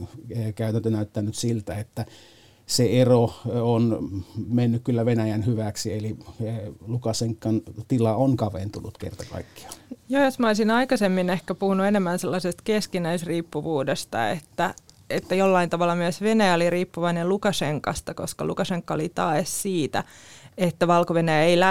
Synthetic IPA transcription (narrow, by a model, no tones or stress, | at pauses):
eekæˑyt̪ænt̪ønæˑyt̪ːænːyt̪silt̪æet̪ːæ | seeroonmenːykkylːæʋenæjænhyʋæksieli | lukɑseŋkːɑnt̪ilɑonkɑʋḛnt̪unut̪kḛrt̪ɑkɑ̰ˑikːi̥ɑ̥joːjosmɑoisinɑikɑsemːinehkæpuhunuenemːænselːɑsest̪keskinæisriːpːuʋuːdest̪ɑ̰ḛt̪ːæ | et̪ːæjolːɑint̪ɑʋɑlːɑmyøsʋenæjæoliriːpːuʋɑinelukɑseŋkɑst̪ɑkoskɑ̰lṵkɑseŋkːɑo̰lit̪ɑːssiːt̪æ̰et̪ːæʋɑlkoʋenæjæeilæ